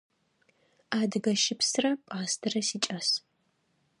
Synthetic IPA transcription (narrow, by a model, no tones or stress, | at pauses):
aːdɨɡɐʃɪpsɨrɐpʼaːstʰɨrɐsiːt͡ʃʼɐs